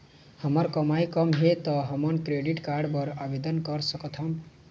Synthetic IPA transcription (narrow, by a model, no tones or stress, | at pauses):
hʌmʌɾkʌmajkʌmɦet̪ʌɦʌmʌnkɾeɖiʈkaɾɖbʌɾabed̪ʌnkʌɾsʌkʌt̪ʰʌm